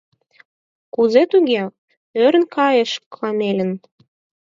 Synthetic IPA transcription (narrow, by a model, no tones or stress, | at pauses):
kuzet̪uɣe | øɾə̆nkɑjeʃklɑmelʲə̆n